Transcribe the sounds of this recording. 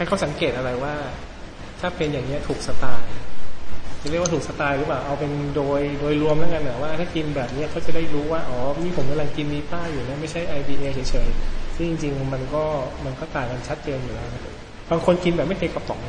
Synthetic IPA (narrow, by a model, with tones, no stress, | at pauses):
t̪ʰaː˥˩kʰa˦˥wsa˩˦ŋkeː˨˩t̪̚ʔa˧ɾa˧jwaː˥˩ | t̪ʰaː˥˩pʰeː˧njaː˨˩ŋni˦˥ɐt̪ʰuː˨˩k̚sa˧t̪aː˧j | t͡ɕa˨˩ɾi˥˩waː˥t̪ʰuː˨˩k̚sa˧t̪aː˧jɾɯː˦˥paː˨˩wʔa˧wpe˧ndoː˧jdoː˧jɾu˧əmnaː˦˥˩ka˧nʔa˨˩waː˥˩t̪ʰaː˥˩ki˧nbɛː˨˩p̚ni˦˥ɐ˨kʰa˦˥wt͡ɕa˨˩da˥˩jɾuː˦˥waː˥˩ʔɔː˩˦niː˥˩pʰo˨˩˦mka˧mla˧ŋki˧nːiː˧t̪aː˥˩juː˨˩na˦˥ma˥˩jt͡ɕʰa˥˩jʔa˧jbiː˧ʔeː˧sʰɤː˨˩˦jt͡ɕʰɤː˨˩˦jsɯ˥˩ŋt͡ɕi˧ŋt͡ɕi˧ŋma˧nkɔː˥˩ma˧nkɔː˥˩t̪aː˨˩ŋka˧nt͡ɕʰa˦˥t̪̚t͡ɕeː˧njuː˨˩lɛː˦˥wna˦˥˩ | baː˧ŋkʰo˧nki˧nbɛː˨˩p̚ma˥˩jt̪ʰe˧kːa˧p̪ɔ˨˩k̚